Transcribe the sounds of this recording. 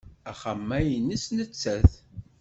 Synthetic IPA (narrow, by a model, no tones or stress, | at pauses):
æχəmːæjənːisnət͡sːæθ